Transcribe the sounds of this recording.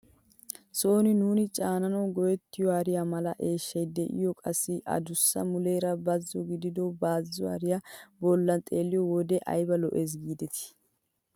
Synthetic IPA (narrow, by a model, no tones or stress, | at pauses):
so̞ːnɪnuːnɪt͡ʃʼaːnɐnɐwɡɔjɛt̪ːɪjɔaːɾɪjamɐlɐʔeːʃːɐjd̪ɛʔɪ̰jɔkʼɐsːɪʔɐ̰d̪ʊsːɐ̰mʊlejɾɐbɐzːɔɡɪd̪ɪd̪ɔbaːzːɔa̰ɾɪjabɔlːɐnt̪ʼeːlːɪjɔwɔd̪ɛʔɐ̰jbɐlɔ̰ʔeːs̬ɡiːd̪ɛt̪ɪ̥